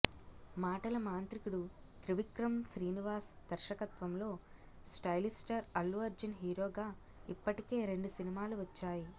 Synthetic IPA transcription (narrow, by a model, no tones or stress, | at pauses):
maːʈɐlɐmaːnt̪ɾikuɽu | t̪ɾiʋikɾɐmʃɾiːniʋaːsd̪̥ɐɾʃɐkɐt̪ʋɐmlo̞ː | sʈɐjlisʈɐɾɐlːuʋɐɾd͡ʒɐnɦiːɾo̞ːɡaː | ipːɐʈike̞ːɾe̞ɳɖusinimaːluʋɐt͡ʃːaːji